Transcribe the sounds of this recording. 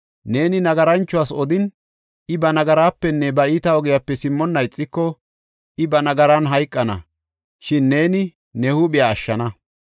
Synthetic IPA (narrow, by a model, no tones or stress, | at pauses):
ne̞ːnɪnɐɡɐɾɐnt͡ʃːʊwaːsɔd̪ɪn | ʔɪbɐnɐɡɐɾaːpːɛnːɛbɐɪːt̪ɐɔɡɪjapːɛsɪmːɔnːɐjt͡sʼːɪkːɔ | ʔɪbɐnɐɡɐɾɐnɦɐjkʼːɐnɐ̰ | ʃɪnːe̞ːnɪ | nɛhʊɓɪjaːʃːɐnɐ